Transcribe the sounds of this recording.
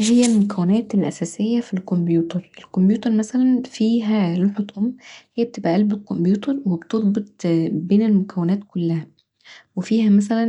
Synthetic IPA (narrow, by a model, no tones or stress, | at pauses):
d͡ʒɪjːælmʊkæwːɪnæːt̪ɪlʔæsæːsɪjːæfilkombjuːt̪ɑɾˤɪlkombjuːt̪ɑɾˤmæsælænfiːɦæloħot̪ʔʊmːhejːb̚t̪ɪbʔæʔælbɪlkombjuːt̪ɑɾˤwɪbt̪ɨðˤbɨt̪̚ˤbeːnelmʊkæwːɪnæːt̪kʊlːæhæ | wɪfiːhæmæsælæn